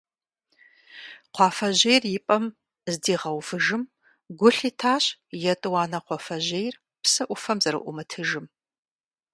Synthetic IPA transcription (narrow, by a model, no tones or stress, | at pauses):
qʷɑːfɐʑejrjɪpʼɐm | zdiːʁɐwfɨʒɨm | ɡʷʊɬitʰaːɕjɛtʼɨwɑːnɐqʷɑfɐʑejr | psɐʔʷʊfɐmzɐɾɨ̰ʔʷʊmɨtʰɨʒɨm